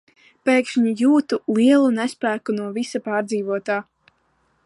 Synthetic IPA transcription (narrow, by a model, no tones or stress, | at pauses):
peːkʃiɲijuːt̪ulˠiɛlˠunɛspɾæːkunuɔvisapaːɾd̪ziːvuɔt̪aː